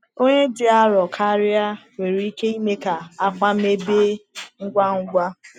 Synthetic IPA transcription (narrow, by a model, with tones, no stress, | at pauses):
o˦ɲe˦dɪ˨a˦ɾɔ˨kʰa˦ɾɪ˦a˦we˨ɾi˦ke˦i˦me˦ka˨a˦kʷa˦me˦be˦ŋ̩˦ɡʷa˦ŋ̩˦ɡʷa˦